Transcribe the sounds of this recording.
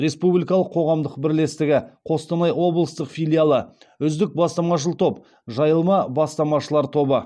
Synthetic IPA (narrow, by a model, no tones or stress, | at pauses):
ɾe̞spublʲijkɑlˠəqʰːo̞ʁɑmd̪əqbɪɾle̞st̪ɪɡʲɪqʰo̞st̪ɑnɑjwo̞blˠəst̪əqfʲijlʲijalˠə | ʏzd̪ɪk̚bɑst̪ɑmɑʃ̬əlˠt̪ʰo̞p | ʒɑjəlˠmɑbɑst̪ɑmɑʃəlˠɑɾt̪ʰo̞bə